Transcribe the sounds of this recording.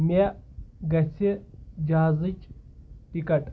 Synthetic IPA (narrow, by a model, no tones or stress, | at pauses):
meɡɐt͡sʰid͡ʒazɨt͡ʃʈikɐʈ